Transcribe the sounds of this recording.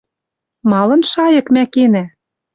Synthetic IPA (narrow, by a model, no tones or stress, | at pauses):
mɑlɤ̆nʃɑjɤ̆kmækenæ